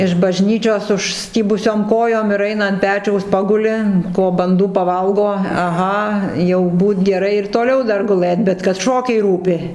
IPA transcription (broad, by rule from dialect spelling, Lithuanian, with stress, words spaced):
ɪʃ bɐʒʲˈnʲiːt͡ʃʲoːs ʊʃʲˈsʲtʲiːbʊsʲoːm ˈkoːjoːm ɪr ˈɐɪnɐ ɐnt ˈpʲæːt͡ʃʲɛʊs ˈpɑːɡʊlʲɪ ˈkoː bɐnˈduː pɐˈʋɐlˠɡoː ɐˈɣɐ jɛʊ ˈbuːt ɡʲɛˈrɐɪ ɪr toːˈlʲɛʊ ˈdɐr ɡʊˈlˠɘt bʲɛt kɐt ˈʃoːkʲɛɪ ˈruːpʲɪ